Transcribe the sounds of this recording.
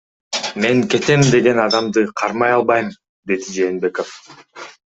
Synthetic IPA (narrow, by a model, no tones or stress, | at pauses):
me̞ŋke̞t̪e̞md̪e̞ɡe̞nɑd̪ɑmd̪ɯqʰɑɾmɑjɑlˠbɑjm | d̪e̞d̪id͡ʒe̞ːnbe̞ko̞f